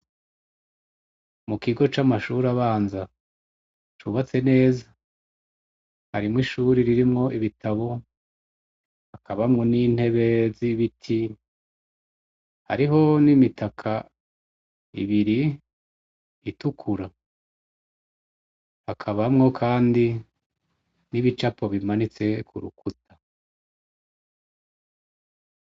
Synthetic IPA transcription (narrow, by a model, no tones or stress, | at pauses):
mukiɡo̞t͡ʃamaʃuɾaβaːnza | t͡ʃuβat͡se̞ne̞ːza | haɾimŋiʃuːɾiɾiɾimŋo̞ʔiβitʰaβo̞ | hakʰaβamŋo̞nin̥he̞βe̞ziβitʰi | ha̰ɾiɦo̞nimitʰakʰa | ḭβiɾi | tukʰuɾa | hakʰaβamŋo̞kʰaːndi | niβit͡ʃapʰo̞βimanit͡se̞kʰṵɾṵkʰutʰḁ